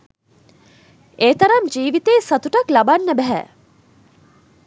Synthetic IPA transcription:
eːt̪ɐɾɐmd͡ʒiːʋit̪eːsat̪uʈaklabanːəbæɦɛ̰

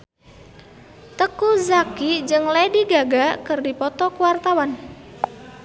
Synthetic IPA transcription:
t̪əkuzakid͡ʒɨŋlediɡaɡakɨrdipɔt̪ɔkuwart̪awan

